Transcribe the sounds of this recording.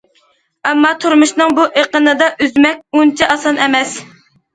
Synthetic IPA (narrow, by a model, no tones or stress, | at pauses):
ɛmːɑt̪ʰuɾmuʃnɨŋbuʔeqənɨd̪ɑʔyzmɛk̚ʲunt͡ʃʰɛʔɑsɑnʔɛmɛs